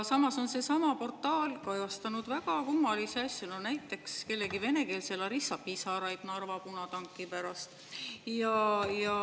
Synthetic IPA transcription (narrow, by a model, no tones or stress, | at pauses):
sɑmɑso̞nse̞sɑmɑpo̞rt̪ːˑɑːlkɑjɑst̪ɑnud̪væɡ̥ɑkumːɑliseɑsʲjononæjt̪ːˑe̞kske̞lːe̞ɡive̞ne̞ke̞ːlse̞lɑɾisːɑpːisɑːɾɑjɡ̥nɑrvɑpunɑt̪ɑŋkːˑipæɾɑst̪ | jɑjɑ